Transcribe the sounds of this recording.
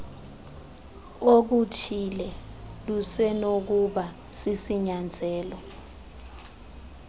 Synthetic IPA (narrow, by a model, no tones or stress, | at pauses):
ok̬utʰilɛ | lusɛnok̬uɓa | sisiɲand͡zʱɛːlɔ